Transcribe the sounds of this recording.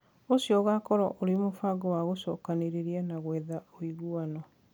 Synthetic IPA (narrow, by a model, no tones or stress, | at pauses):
osjɔɣakɔɾɔʔoɾimofaɡɔwaɣosɔkaneɾeɾianaɣwɛːðaoiɣuanɔ